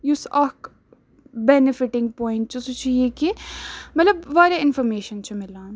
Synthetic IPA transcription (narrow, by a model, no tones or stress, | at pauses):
jusɐk | bɛnɪfɪʈɪ̃ŋɡ̚pɔːɪ̃ɳʈt͡ʃusut͡ʃʰijeːkemɐt̪ləbʋaːɾeɪnfɔɾmeːʃənt͡ʃʰɐmɪlaːn